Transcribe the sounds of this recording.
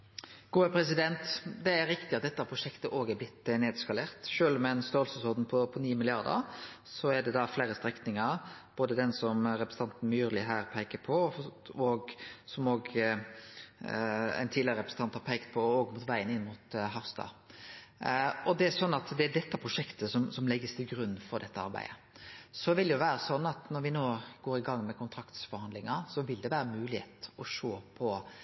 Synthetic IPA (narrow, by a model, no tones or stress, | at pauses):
ɡ̥uːəpʰɾɛs̬ɪd̪ɛnt̪d̪ɛæɾɾɪkt̪ɪɑt̪̚d̪ɛt̪ːəpʰɾʊʂɛkt̪əʔoːɡæɾblɪt̪ːneːd̪skɑleːʁt̪ʃøːlmɛnst̪oːlsəsoːd̪n̩pʰɔpʰɔniːmɪlɪɑʁd̪ə̰ɾ | sɔæd̪ɛd̪ɑfleːɾəst̪ɾɛknɪŋəɾb̥oːd̪əd̪ɛnsɔmɾɛpɾəs̩n̩t̪ɑnt̪n̩myːɾlɪɦæːɾpʰæɪkəpʰɔoːɡsɔmoːɡ | æ̰ɪnt̪ʰiːlɪɾəɾɛpɾəsn̩ʰɑnt̪hɑɾpʰɛɪkt̪̚pʰɔoːɡmʊt̪ʋæɪənɪnːmʊt̪ɦɑfst̪ɑ̰ | ɔd̪ɛæsɔnːɑt̪d̪ɛædɛt̪ːɑpʰɾʊʂɛkt̪əsɔmsɔmlɛɡːəst̪ʰɪlɡɾʉnːfɔɾd̪ɛt̪ːəɑ̰ɾbæ̰ɪd̪ə | sɔʋɪld̪ɛjʊʋæːɾəsɔnːɑt̪nɔɾʋɪnoːɡ̥oːɾɪɡɑŋːmɛkʰʊnt̪ʰɾɑkt̪sfɔɾhɑnd̪lɪŋɑsɔʋɪld̪ɛʋæːɾənmʉːlɪhḛːt̪ɔʂoːpʰɔ